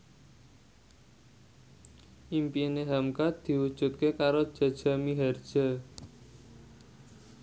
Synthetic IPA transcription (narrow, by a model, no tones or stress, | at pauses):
ʔimpineɦamkat̪̚d̪̥i̤wud̥ʒ̥ṳt̪̚kekaɾod̥ʒ̥a̤d̥ʒ̥a̤miɦard̥ʒ̥a̤